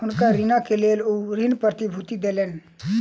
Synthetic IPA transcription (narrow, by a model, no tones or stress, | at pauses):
ɦʊnkaɾinakeleːluːɾɪnpɾət̪ibʱut̪id̪eːleːn